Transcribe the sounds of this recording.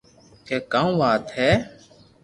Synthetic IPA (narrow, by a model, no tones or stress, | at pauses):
keːkaːũːʋaːt̪ɦɛː